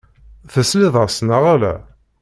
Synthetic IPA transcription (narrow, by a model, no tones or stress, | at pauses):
θəslɪðˤəsnəʁalæ̰